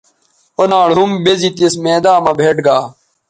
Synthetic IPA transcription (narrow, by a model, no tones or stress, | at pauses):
onaːɽɦumbezit̪esmẽːd̪aːmɐbʱeːʈɡaː